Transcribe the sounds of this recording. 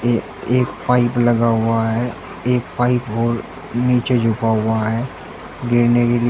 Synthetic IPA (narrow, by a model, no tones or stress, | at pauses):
eːkpaːɪplɐɡaɦʊaɦɛ | eːk̚paːɪpɦoːɾ | niːt͡ʃed͡ʒʱʊpaɦʊaɦɛː | ɡɪɾnekeli